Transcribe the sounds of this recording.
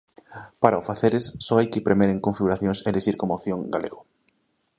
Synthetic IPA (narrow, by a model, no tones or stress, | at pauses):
paɾaʊfaθeɾesːɔajkɪpɾemeɾeŋkoɱfiɣuɾaθjõŋseleʃiɾkomaθjõŋɡalḛɣʊ